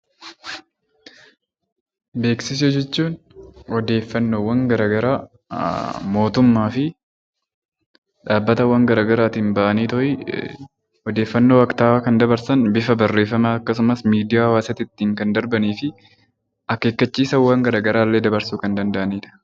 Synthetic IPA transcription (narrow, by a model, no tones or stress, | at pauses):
be̞ːksɪs̬ɛd͡ʒɛt͡ʃːuːn | ɔd̪e̞ːfːɐnːoːwɐŋɡɐɾaːɡɐɾaː | mo̞ːt̪ʊmːaːfɪ | ᶑaːbːɐt̪ɐwːɐŋɡɐɾaːɡɐɾaːt̪ɪnbɐʔɐniːt̪ɔʔɪ | ɔd̪eːfːɐnːo̞ːɐkt̪aːkɐnd̪ɐbɐɾsɐnbɪfɐbɐrːe̞ːfːɐmaɐkːɐs̬ʊmɐsmiːd̪ɪjaːhɐwaːsɐt̪ɪt̪ːiːŋkɐnd̪ɐɾbɐniːfɪ | ʔɐkːeːkːɐt͡ʃːiːsɐwːɐŋɡɐɾaːɡɐɾaːlːe̞ːd̪ɐbɐɾsuːkɐnd̪ɐnd̪ɐʔɐniːᶑ̪ɐ̥